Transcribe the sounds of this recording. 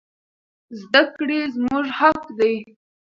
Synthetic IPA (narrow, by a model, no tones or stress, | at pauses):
zd̪akɽezmuʒhakd̪aj